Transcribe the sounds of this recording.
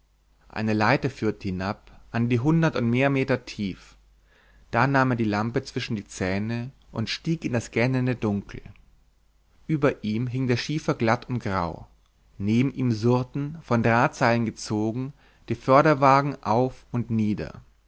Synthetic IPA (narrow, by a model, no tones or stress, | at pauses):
ʔa̰ɪnəlaɪtəfyːɐtəhɪnap̚ʔandiːɦʊndɐtʊntmeːɐmeːtɐtʰiːf | d̥aːnaːmeːɐdiːlampət͡sv̥ɪʃn̩diːt͡sɛːnə | ʔʊntʃtiːkɪndasɡ̥ɛnəndədʊŋkl̩ | ʔyːbɐʔiːmɦɪŋdeːɐʃiːfɐɡlatʰʊnt̚ɡ̥ʁa̰ʊ | neːbm̩ʔiːmzʊɐtn̩fɔndʁaːt͡saɪlənɡət͡soːɡŋ̩ | d̥iːfœɐɾɐvaːɡŋ̩ʔaʊfʊntniːdɐ̰